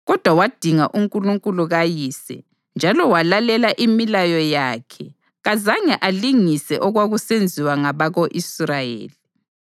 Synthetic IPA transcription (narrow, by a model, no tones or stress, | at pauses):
ɣɔd̥ʱwawad̥ʱiŋaʔuŋkʼuluŋkʼuluɣajisɛ̰ | nd͡ʒʱalɔwalalɛlaʔimilajɔjaːkʰɛ | ɣazaɲɛʔaliŋisɛ̰ʔɔɣwaɣusend͡zʱiwaŋaβaɣoʔisrajḛːli